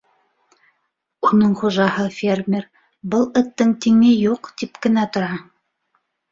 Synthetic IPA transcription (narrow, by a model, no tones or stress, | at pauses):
unɤɴχoʒɑhɤfʲermʲɪɾ | bɤlˠɘ̆t̪ːɘŋt̪iŋɘjuqt̪ipkɘ̆næt̪ŏɾɑ